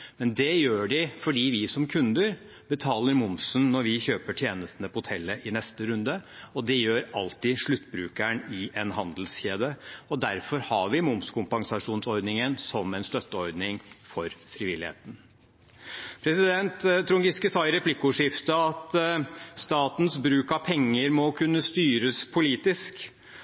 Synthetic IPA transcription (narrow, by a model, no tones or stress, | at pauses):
mɛnd̪ɛjøːɖɪfɔɖiːʋɪsɔmkʰʉnd̪əɾ | bət̪ʰɑːləɾmʊmsnnɔɾʋɪçøːpəʈʰjeːnəst̪ənəpɔhʊt̪ʰɛlːəʔɪnɛst̪əɾʉnd̪əɔd̪ɛjøːɾɑlt̪ɪʂɭʉt̪ːbɾʉːkæɳɪʔɛnɦɑnd̪lsçeːd̪əɔd̪æɾfɔɾhɑʋɪmʊmskʰʊmpɑŋsɑʂuːnsɔɾd̪nɪŋənsɔmɛnst̪œt̪ːəɔɾd̪nɪŋfɔɾfɾɪʋɪlːɪhḛːt̪n | pʰɾɛsɪd̪ɛnt̪t̪ʰːɾʊŋɡɪskəsɑɪɾɛpʰlɪkːʊʂɪft̪əɑt̪st̪ɑːt̪nsbɾʉːkɑʋpʰɛŋːəɾmɔkʰʉnːəst̪yːɾəspʰʊliːt̪ɪsk